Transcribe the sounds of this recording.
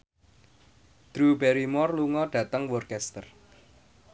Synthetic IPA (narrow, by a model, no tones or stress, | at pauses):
d̪̥ɾubɛɾimɔrluŋɔɖ̥ä̤t̪əŋwɔrkɛst̪ər